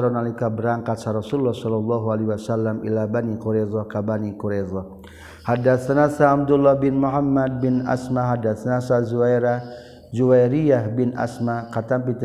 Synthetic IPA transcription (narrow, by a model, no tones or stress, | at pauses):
ɾɔnalikabəɾaŋkat̪saɾɔsululːɔhsɔlɔlːɔɦualiwasalːamḭlabanikuɾezɔkabanikuɾezɔ | hadat̪sanasaːb̚d̪ulːɔhbɪnmuɦamːad̪̚bɪna̰smaɦadat̪sanasazuwajɾa | d͡ʒuwajɾiaɦbɪna̰smakat̪amp̬it̪